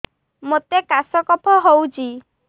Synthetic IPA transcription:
mot̪ekasɔkɔpʰɔɦowt͡ʃʰi

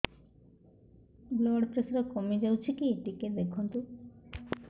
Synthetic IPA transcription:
bloɽt͡ɕesɾakomed͡ʑawt͡ɕʰikieʈiked̪ekʰunt̪u

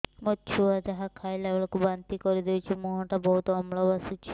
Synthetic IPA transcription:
mot͡ʃʰuad͡ʒaɦakʰajlabɔɭɔkubant̪ikɔɾid̪ewt͡ʃʰimuɦɔʈabɔɦut̪ɔmlɔbasut͡ʃʰi̥

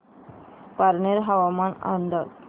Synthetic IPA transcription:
paɾneɾɦaʋamana̰nd̪aɾ

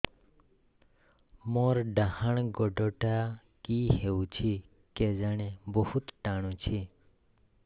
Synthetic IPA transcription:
moːɾɖahəɳ̃ɡoɖoʈa | kiɦeũt͡ʃʰi | ked͡ʒaɽ̃ẽbohut̪ʈaɽ̃ũt͡ʃʰi

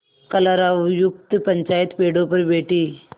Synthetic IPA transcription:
kəlaɾaʋjuk̚t̪pəɲt͡ʃaːjit̪peɽopəɾbeːʈiː

